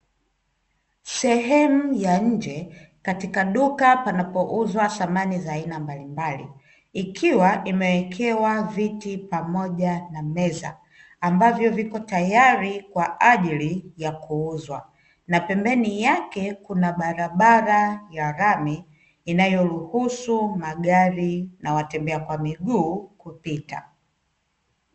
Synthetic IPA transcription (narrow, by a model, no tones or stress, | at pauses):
sɛɦɛmujaɲ̩d͡ʒɛkatikaɗukapanapɔʔuzwaθamanizaːinambalimbalḭ | ikʰiwaʔimɛwɛkʰɛwavitipamɔʄanamɛza̰ː | mbavjɔvikɔtajaɾikwaʔaʄilijakʰuuzwa̰ | napɛmbɛnijakɛkunaɓaɾaɓaɾajaɾamiː | najɔɾuhusumaɠaɾinawatɛmbɛakwamiɠuːkupita̰